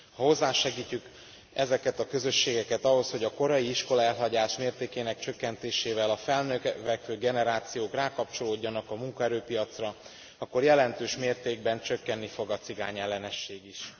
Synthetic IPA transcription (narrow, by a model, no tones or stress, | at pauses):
hɒho̞zːaːʃɛɡiːcːyk | ɛzɛkɛt̪ɒkø̞zø̞ʃːeːɡɛkɛt̪ɒɦo̞sho̞ɟɒko̞ɾɒjiiʃko̞lɒɛlɦɒɟaːʃmeːrt̪eːkeːnɛkt͡ʃø̞kːɛnt̪eːʃeːvɛlɒfɛlnøkvɛkføːɡɛnɛɾaːt̪sijoːkraːkɒp̚t͡ʃo̞loːɟːɒnɒkɒmuŋkɒɛɾøːpijɒt̪srɒ | ɒkːo̞rjɛlɛnt̪øːʃmeːrt̪eːɡ̚bɛnt͡ʃø̞kːɛnːifo̞ɡɒt̪siɡa̰ːɲɛlːɛnɛʃːeːɡiʃ